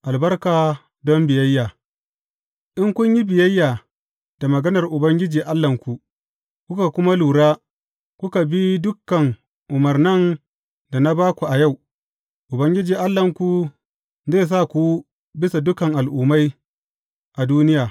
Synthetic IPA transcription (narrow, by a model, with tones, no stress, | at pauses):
ʔa˨lbɐ˦rkaː˨ | dɔ˦mbɪ˨jɐ˦jːaː˨ | ʔɪ˦ŋkʷʊ˦ɲji˦bɪ˨jɐ˦jːaː˨ | d̥a˨mɐ˨ɡɐ˦nɐ˨rʔʊ˨bɐ˦ŋɡʲɪ˦d͡ʒiː˨ʔa˦lːɐ˨ŋkʷu˨ | kʷʊ˦ka˨kʷʊ˦ma˦luː˨ɽaː˦ | kʷʊ˦ka˨bi˦dʊ˦kːɐ˨ŋ | ʔʊ˨mɐ˨rnɐ˦n | da˨na˦baː˦kʷu˨ʔa˨ja˦˨w | ʔʊ˨bɐ˦ŋɡʲɪ˦d͡ʒiː˨ʔa˦lːɐ˨ŋkʷu˨ | zeː˦˨s̬a˦˨kʷu˦ | bɪ˦sa˨dʊ˦kɐ˨ŋʔa˨lʔʊː˨ma˦j | ʔa˨duː˦nɪ˦jaː˨